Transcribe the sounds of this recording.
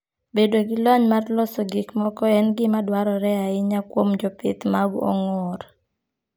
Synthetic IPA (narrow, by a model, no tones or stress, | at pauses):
bedoɡɪlɔɲmarlɔsɔɡɪkmɔkɔɛnɡɪmadwaɾɔɾɛaɪɲakwomd͡ʒɔpɪ̰t̪maɡɔ̰ŋɔɾ